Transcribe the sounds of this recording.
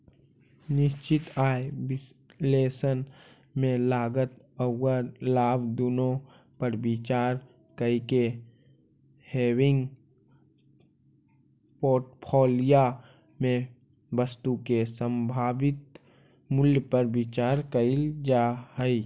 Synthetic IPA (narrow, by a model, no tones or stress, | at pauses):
nɪʃt͡ʃɪt̪aːebɪs | leːsən | mẽlaːɡət̪ | əwəlaːbd̪ʊnõ | pəɾbɪt͡ʃaːɾ | kəike | heːwɪ̃ŋɡ | poːʈpʰoːlija | mẽ | bəst̪ukesə̃mbʱaːbɪt̪ | mʊljəpəɾbɪt͡ʃaːɾkəild͡ʒaɦəi